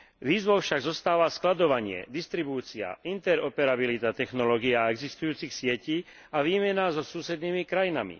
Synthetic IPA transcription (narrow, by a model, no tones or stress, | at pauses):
ʋiːzʋɔʊfʃaɡzɔst̪aːʋasklad̪ɔʋaɲɪɛ̰d̪ist̪ɾibuːt͡sia̰ʔint̪ɛɾɔpɛɾabilit̪at̪ɛxnɔlɔːɡiaɛɡzist̪ujuːt͡sixsɪɛciː | aʋiːmɛnazɔsuːsɛd̪niːmikɾajinamḭ